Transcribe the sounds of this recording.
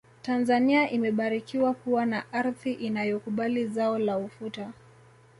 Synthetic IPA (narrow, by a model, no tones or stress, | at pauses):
tanzaniaʔimɛɓaɾikiwakuwanaʔaɾðiʔinajɔkuɓalizaɔlaufuta